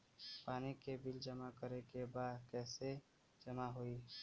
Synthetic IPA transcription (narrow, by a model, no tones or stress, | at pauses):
paːnikebɪld͡ʒəmakəɾekebaːd̪kɛːse | d͡ʒəmaɦoi